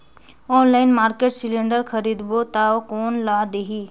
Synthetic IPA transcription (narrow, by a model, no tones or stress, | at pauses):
ɔːnlaɪnmaːɾkeːʈsileɳɖəɾkʰəɾid̪bot̪aokoːnlad̪eɦi